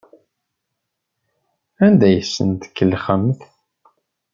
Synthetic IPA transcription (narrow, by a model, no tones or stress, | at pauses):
ænd̪æjəsːə̰nt̪ə̥kːəlχəmːθ